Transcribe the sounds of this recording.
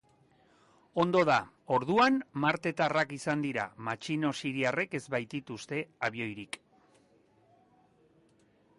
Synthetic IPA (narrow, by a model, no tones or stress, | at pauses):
o̞nd̪o̞ð̞a | o̞ɾð̞uanmaɾt̪e̞t̪arakisand̪iɾa̰mat͡ʃino̞siɾiare̞ke̞zβajt̪it̪ust̪e̞aβio̞jɾik